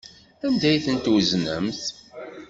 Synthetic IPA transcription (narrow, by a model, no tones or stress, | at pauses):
ænd̪æjθənt̪wznəmθ